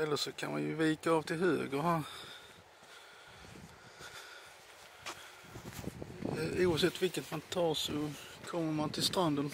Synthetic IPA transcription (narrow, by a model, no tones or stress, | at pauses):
ɛlːəʂɔkʰa̰nma̰njɵviːkaɑːvt̪ʰɪlɦøːɡəɾhæɾ | uːavsɛt̪ːvɪlkət̪mant̪ʰɑːɾʂɔkʰɔmːəɾmant̪ʰɪlst̪ɾand̪ən